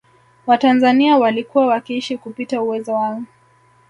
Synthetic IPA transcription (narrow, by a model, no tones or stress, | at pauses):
watanzaniawalikuwawakiiʃikupitauwɛzɔwaŋɡu